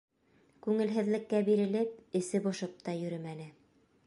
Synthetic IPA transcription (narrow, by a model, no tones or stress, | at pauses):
kʉŋɘ̆lɦɘ̆ðlɘ̆kːæbiɾɘ̆lɘp̚ɘ̆sɘbŏʃɤp̚t̪ɑjɵ̆ɾɘmænɘ